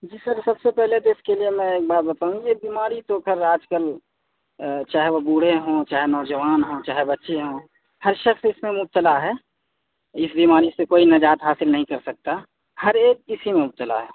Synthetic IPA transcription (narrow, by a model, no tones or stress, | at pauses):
d͡ʒiːsəɾsɐbsepɛɦlet̪oɪskeliemɛ̃eːk̚baːt̪̚bɐt̪aːũjebiːmaːɾit̪okʰəɾaːd͡ʒkəl | t͡ʃaːɦɛʋobuːɽ̤eɦõːt͡ʃaːɦenɔːd͡ʒəʋaːnɦõt͡ʃaːɦebɐtːʃeɦõː | hɐɾʃəxsɪsmẽmʊp̚t̪əlaɦɛː | ɪsbiːmaːɾisekoːinɐd͡ʒaːt̪ɦaːsɪlnɐɦĩkɐɾsɐk̚t̪a | hɐɾeːk̚ɪsimẽʊp̚t̪əla̰ɦɛː